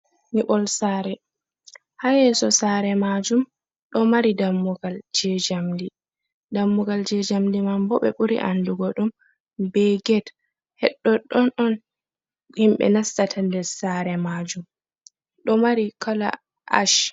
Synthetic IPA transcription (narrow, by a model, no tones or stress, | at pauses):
niɓɔlsaːɾɛ | hajɛsɔsaːɾɛmad͡ʒum | ɗɔmaɾidamːuɡald͡ʒɛd͡ʒamdi | damːuɡald͡ʒɛd͡ʒamdimambɔɓɛɓuɾḭʔanduɡɔɗum | bɛɡɛt | hɛɗːɔɗɔnɔn | himɓɛ̰nastatʰandɛɾsaɾɛmad͡ʒum | ɗɔmaɾikʰala̰ | ʔa̰ʃ